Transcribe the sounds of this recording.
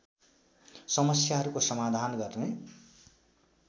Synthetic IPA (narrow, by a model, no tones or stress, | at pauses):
sʌmʌsjaɦʌɾukosʌmad̪ʱanɡʌrne